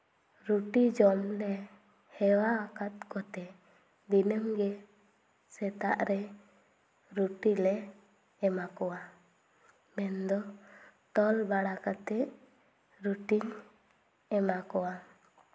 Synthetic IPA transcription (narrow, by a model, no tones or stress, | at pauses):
ɾuʈid͡ʒɔmlɛ | hɛwaːkat̪̚kɔt̪ɛ | d̪inəmɡɛ | sɛt̪a̰ʔɾɛ | ɾuʈilɛː | makɔwa | mɛnd̪ɔʈ̪ɔlbaɽakat̪ɛ | ɾuʈiɲ | ɛmakɔwa